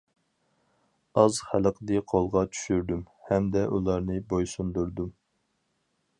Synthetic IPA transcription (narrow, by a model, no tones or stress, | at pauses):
ɑzχæləqʰd̪ɨqʰolˠʁɑt͡ʃʰy̥ʃyɾd̪ym | hɛmd̪ɛʔulˠɑɾnɨbojsund̪uɾd̪um